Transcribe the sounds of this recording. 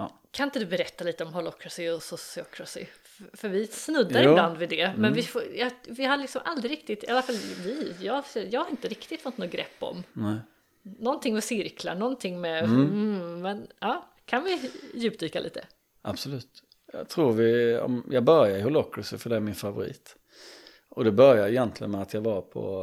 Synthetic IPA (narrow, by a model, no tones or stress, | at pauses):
kʰanɪnt̪əd̪ʉbɛɾɛt̪ːaliːt̪əɔmɦɔlɔkʰːɾasɪɔsɔsɪɔkʰɾasɪ̰ | fœɾvɪsnɵd̪ːaɾɪbland̪vɪd̪ɛmɛnvɪfojɑvɪɦalɪksɔmʔa̰ld̪ɾɪɾɪk̚t̪ɪt̪alafalvɪjɑːɛjɑːɡhaɾɪnt̪əɾɪkt̪ɪt̪fɔt̪nɔɡɾʔɛ̰pːɔ̰mnɛ | nɔnt̪ʰɪŋmɛsɪɾkʰla̰ɳɔnt̪ʰɪŋːmɛ | mɛnɑː | kʰanvɪjʉ̟ːp̚td̪yːkalḭːt̪ə | ʔab̥sɔlʉ̟ːt̪ | jɑ̰t̪ʰɾuːɾvɪɔ̰mjɑːɡbœɾjaɪhɔlɔkːɾəsəfœɖɛæɾmɪnfavʊɾḭːt̪ | ɔd̪ɛbœɾjaɪjɛnt̪ʰlɪɡənmɛat̪ʰjɑɡvaɾpʰɔ̰